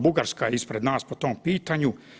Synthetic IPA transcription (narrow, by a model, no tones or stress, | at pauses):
buɡaɾskaispɾe̞d̪naːspot̪oːmpiːt̪aɲu